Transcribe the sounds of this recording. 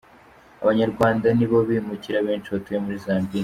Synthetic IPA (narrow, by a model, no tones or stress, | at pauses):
a̰βaɲaɾɡwaːndaniβo̞βimuciɾaβe̞ːnt͡ʃiβatujemuɾizaːmbi